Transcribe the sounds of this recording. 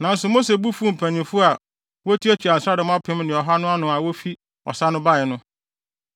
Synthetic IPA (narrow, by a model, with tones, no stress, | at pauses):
nã˨n̩˦sʊ˨mo˦se˨bu˦fu˦m̩˨pʰæ̃˨ɲĩ˨fʊ˦a˨ | wo˦tʰi˦æ˦t͡ɕʰᶣi˨a˨sɾa˦dʊ˨m˦ã˦pʰɪ̃˦mnɪ̃˨ɔ˨ɦa˦nʊ̃˦a˦nʊ̃˨a˨wo˦fi˦ | ɔ̰˨sa˦nʊ̃˦ba˦˨ɛ˨nʊ̃˦